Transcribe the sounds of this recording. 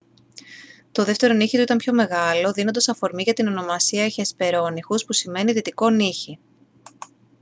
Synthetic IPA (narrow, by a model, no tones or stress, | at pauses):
t̪o̞ðe̞ft̪e̞ɾo̞niçit̪uit̪ɐmpço̞me̞ɣɐlo̞ðino̞nd̪osɐfo̞ɾmiʝɐt̪ino̞no̞mɐsiɐeçespe̞ɾo̞nixuspusime̞niðit̪iko̞niçi